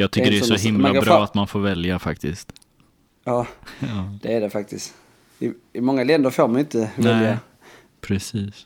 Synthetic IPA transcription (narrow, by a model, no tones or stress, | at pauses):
jɑɡt̪ʰʏkːəɖɛsɔɦɪmlabɾɑːat̪manfoːɾvɛljafa̰kt̪ɪst̪ | ɑːɑːd̪̥ɛæɖɛfak̚t̪ɪst̪ | ɪɪmɔŋːalɛnd̪əɾfoːɾmanʏnt̪əvnɛɛlja | pʰɾɛsiːs